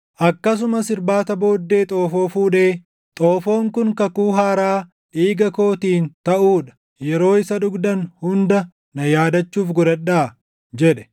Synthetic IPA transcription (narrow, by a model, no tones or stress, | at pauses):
ʔɐkːɐs̬ʊmɐsɪɾbaːt̪ɐbo̞ːd̪ːe̞ːt̪ʼo̞ːfo̞ːfuːᶑe̞ː | t̪ʼoːfo̞ːŋkʊŋkɐkuːɦaːɾaː | ᶑiːɡɐko̞ːt̪iːnt̪ɐʔuːᶑɐ̥ | jɛɾo̞ːɪsɐᶑʊɡd̪ɐnhʊnd̪ɐ | nɐjaːd̪ɐt͡ʃːuːfɡʊɾɐɗːaː | d͡ʒɛᶑɛ̥